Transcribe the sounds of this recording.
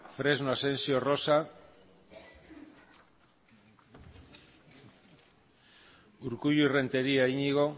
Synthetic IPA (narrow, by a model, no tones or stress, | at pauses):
fɾe̞znoase̞nsio̞ro̞sa | uɾkuʎuire̞nt̪e̞ɾiaiɲiɣo̞